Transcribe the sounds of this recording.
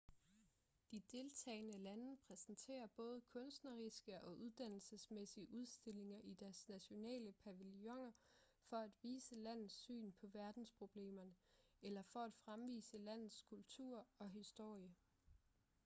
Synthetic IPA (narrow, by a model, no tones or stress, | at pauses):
d̥id̥e̝lt͡sʰɛ̰ːɪnəlænəpʰʁɛsn̩t͡sʰe̝̰ːɐb̥ɔ̽ːð̞ˠəkʰɔ̽nsd̥nɐʁisɡ̥əʔɒ̽ʔuð̞ˠd̥æn̰l̩səsmesiəʔuð̞ˠsd̥e̝le̝ŋɐʔid̥æɐsnæɕo̝nɛ̰ːləpʰæʋiljɒ̽ŋɐ | fɒ̽æd̥ʋiːsəlæn̰ð̩ˠsy̰ːnpʰɒ̽ʋæɐd̥n̩spʰʁo̝b̥le̝̰ːmɐnə | elɐfɒ̽æd̥fʁamʋḭːsəlæn̰ð̩ˠskʰult͡sʰṵɐ̰ɒ̽ɦisd̥o̝ɐ̰jə